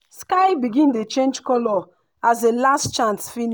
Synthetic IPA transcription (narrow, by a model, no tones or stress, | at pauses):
skaɪbiɡĩntet͡ʃẽnd͡ʒkɔlɔ | azelastt͡ʃãnsfin